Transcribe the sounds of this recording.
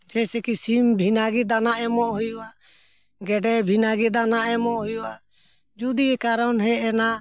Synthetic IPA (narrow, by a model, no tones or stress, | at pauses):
d͡ʒɛsɛkisimbʱinaɡɛd̪anaʔɛmɔʔɦujuʔaʔ | ɡɛɖɛbʱinaɡɛd̪anaʔɛmɔʔhujua | d͡ʒud̪iɡɛkaɾanɦɛɛna